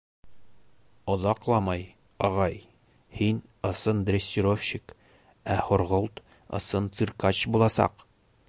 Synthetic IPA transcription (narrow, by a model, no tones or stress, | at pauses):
ŏðɑqlˠɑmɑj | ɒʁɑj | hin | ɤ̆sɤnd̪rʲesʲtʲiɾofɕik | æχŏɾʁolˠt̪ | ɤ̰̆sɤnt̪sɨrkɑt͡ɕbulˠɑsɑ̰q